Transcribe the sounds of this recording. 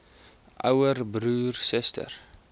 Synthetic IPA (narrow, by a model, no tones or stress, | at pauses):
ʔɐwərbruːrsɛstə̰r